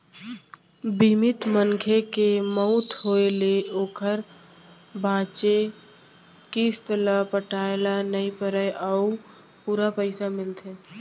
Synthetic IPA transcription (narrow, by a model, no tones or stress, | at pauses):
bʱimɪt̪məŋkʰekemɔʊt̪ɦoːeleoːkʰəɾ | bʱãːt͡ʃe | kiːst̪əlapəʈaːelanəĩpəɾəʔau | puːɾapəɪsamɪlt̪ʰeː